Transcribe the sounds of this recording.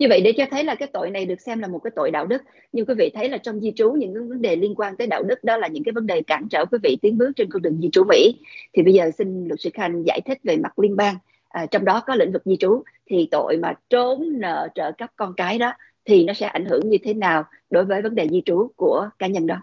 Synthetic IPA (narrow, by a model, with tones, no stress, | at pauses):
ɲɨ˧və̰˧˨jɗe˧˩t͡ɕɔ˧t̪ʰə˨˦jlaː˨˩kaː˨˦jt̪o̰˧˨jna˨˩jɗɨ˨˩ək̚sɛ˧mlaː˨˩mo˨˩t̚kaː˨˦t̪o̰˧˨jɗa̰ː˧˨wɗɨ˦˥k̚ | ɲɨ˧ŋkwi˨˦vḭ˧˨t̪ʰə˨˦jlaː˨˩t͡ɕɔ˧wŋ͡mzi˧t͡ɕu˨˦ɲɨ̰˧˥ŋkːvə˨˦nɗe˨˩li˧ənkwaː˧nt̪əː˨˦jɗa̰ː˧˨wɗɨ˦˥k̚ɗɔ˨˦laː˨˩ɲɨ̰˧˥ŋkaː˨˦jvə˨˦nɗe˨˩kaː˧˩nt͡ɕə̰ː˧˩kwi˨˦vḭ˧˨t̪i˨˦ənɓɨ˦˥ək̚t͡ɕe˧nko˧ŋɗɨ˨˩ŋzi˧t͡ɕu˨˦mḭ˧˥t̪ʰi˨˩ɓə˧jzəː˨˩si˧nlɨ˨˩sɨ˧˩xa˧˩jŋ̟za̰ː˧˩jt̪ʰï˦˥k̟̚ve˨˩ma˨˩t̚li˧ənɓaː˧ŋ | ʔaː˨˩t͡ɕɔ˧wŋ͡mɗɔ˨˦kɔ˨˦lḭ˧˥ŋ̟vɨ˨˩k̚zi˧t͡ɕu˨˦ | t̪ʰi˨˩t̪o̰˧˨jmaː˨˩t͡ɕo˨˦nnə̰ː˧˨t͡ɕə̰ː˧˨kə˦˥p̚kɔ˧nkaː˨˦jɗɔ˨˦ | t̪ʰi˨˩nɔ˨˦sɛ̰˧˥ʔa̰˧˩jŋ̟hɨ˧˩əŋɲɨ˧t̪ʰe˨˦naː˨˩w | ɗo˨˦jvəː˨˦jvə˨˦nɗe˨˩zi˧t͡ɕu˨˦ku˧˩əkaː˨˦ɲə˧nɗɔ˨˦